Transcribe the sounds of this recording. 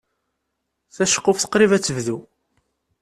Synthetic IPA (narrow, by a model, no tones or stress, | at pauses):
θæʃə̥qːʊfθə̥qɾivæt͡sːəvðu